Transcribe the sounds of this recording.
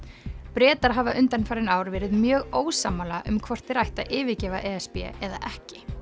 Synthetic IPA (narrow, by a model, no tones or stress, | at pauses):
pɾɛːt̪aɾ̥ɦaːvaʔʏnt̪anfaɾɪnaːwɾvɛːɾɪðmjœːɣoːwsaːmalaʔʏmkʰvɔr̥t̪ɪɾajht̪aðɪːvɪcɛːvaʔɛːɛspɛ̰ɛða̰ʔɛhcɪ̥